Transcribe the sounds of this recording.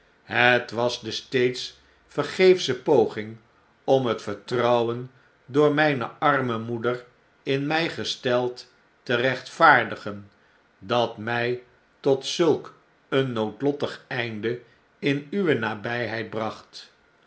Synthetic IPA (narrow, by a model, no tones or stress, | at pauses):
ɦətʋɑzdəstejts | fəɹχejfsəpowχɪŋ | ɔmɦətfəɹtrʌwən | dʊːɹmɛjnəɑɹməmudər | ɪnmɛjχəstɛlˠtː | ərɛχtfaːɹdəχən | dɑtmɛj | tɔtsɵlˠk | ənːowtlɔtəχɛjndə | ɪnyʋənaːbɛjɦɛjd̚brɑχt